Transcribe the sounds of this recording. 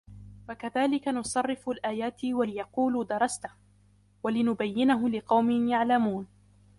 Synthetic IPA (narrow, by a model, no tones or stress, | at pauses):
wakaðaːlɪkanʊsˤɑrˤːɪfʊlʔaːjaːt̪walɪjɑquːlːd̪ɑɾˤɑst̪ah | walɪnʊbajːɪnaɦʊlɪqɑwmɪnjaʕlamuːn